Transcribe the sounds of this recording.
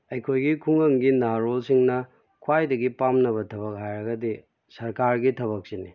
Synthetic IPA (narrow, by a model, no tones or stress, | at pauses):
ɐjkʰojɡikʰuŋɐŋɡinaɾolsiŋnɐ | kʰwajdɐɡipamnɐβɐtʰɐbɐk̚ɦajɾɐɡɐdi | sɐɾkaɾɡitʰɐβɐk̚sini